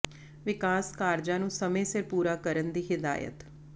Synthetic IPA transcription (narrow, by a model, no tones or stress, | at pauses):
ʋɪkaːskaːɾd͡ʒãːnũːsəmẽːsɪɾpuːɾaːkəɾənd̪iːɦɪd̪a̰ːjə̰t̪